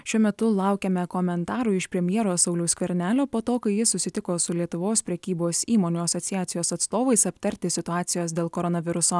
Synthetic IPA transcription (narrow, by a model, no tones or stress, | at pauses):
ʃʲuɔmʲɛt̪ʊlˠɑˑʊkʲɛmʲɛkɔmʲɛnt̪ɑːɾuɪʃpʲɾʲɛmʲjɛɾoːsɒʊlʲʊːsʲkʲʋʲɛɾʲnʲæːlʲoːpoːt̪oːkɐɪjɪsʊsʲɪt̪ʲɪkoːsʊlʲiɛt̪ʊʋoːspʲɾʲɛkʲiːboːsiːmoːnʲuːɐsɔːt̪sʲɪjæːt̪sʲɪjoːsɐt̪st̪oːʋɐɪsɐp̚ʲt̪ɐɾʲt̪ʲɪsʲɪt̪ʊɑːt̪sʲɪjoːs̬d̪ʲeːlˠkoːɾɔːnɐʋʲɪɾʊsoː